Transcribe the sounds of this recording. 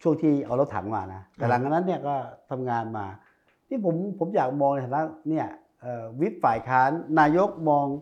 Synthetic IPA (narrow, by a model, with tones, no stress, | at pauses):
t͡ɕʰu˥˩əŋt̪ʰiː˧˩ʔa˨˩wɾa˧wt̪ʰa̰ː˩˦mma̰ː˧˩na˦˥t̪ɛː˨˩la˧˦ŋa˧nːa˦˥nːi˥˩ɐkɔː˥˩t̪ʰa˧mŋaː˧nmaː˧ | t̪ʰiː˥˩pʰo˩˦mpʰo˨˩˦mjaː˨˩k̚mɔː˧ŋn˧˥˩a˧˩na˦˥ni˥˩ɐ | ʔɤː˨˩wi˦˥p̚faː˨˩jkʰaː˦˥nːaː˧jo˦˥k̚mɔː˧ŋ